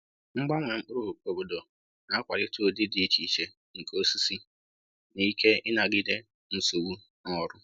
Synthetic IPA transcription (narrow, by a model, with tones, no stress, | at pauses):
ŋ͡m̩˦ɡ͡ba˦ŋʷe˨ŋ͡m̩˦k͡pʊ˦ɾu˦˨o˨bo˨do˨ | na˦kʷa˨ɾɪ˦to˦˨dɪ˦dɪ˨˦t͡ʃi˨t͡ʃe˨ | ŋ̩˨ko˦si˦si˦ | ni˦ke˦ɪ˦na˨ɡɪ˦de˦ | n̩˨so˨wu˦ | nɔ˦ɾʊ˦